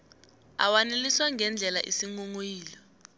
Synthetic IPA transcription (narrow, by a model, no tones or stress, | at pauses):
a̰waneliswaŋɡʱɛnd͡ɮʱɛla̰ʔisiŋuŋujiːlɔ